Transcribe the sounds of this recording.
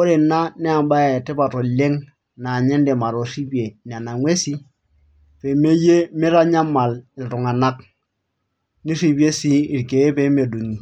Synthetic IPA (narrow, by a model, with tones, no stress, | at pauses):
ko˦ɾe˨na˦nɛ˦a˨mba˦ja˨te˦pa˨to˨le˦ŋ | na˨ɲɛ˦nde˨ma˨ɾo˨si˦pje˨n˨a˨na˨ŋwe˦si˦ | pe˨me˦je˦mi˦ɾa˦ɲa˦ma˨lɪ˨tu˨ŋa˨na˦k | ni˦si˦pje˦si˦i˨ɾke˨e˦pe˦me˨du˨ɲi˨